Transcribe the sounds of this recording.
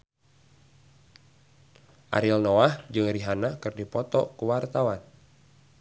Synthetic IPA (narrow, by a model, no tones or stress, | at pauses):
ʔa̰ɾilnɔahd͡ʒɨŋɾiɦanakɨrdipɔt̪ɔ̰kuwart̪awan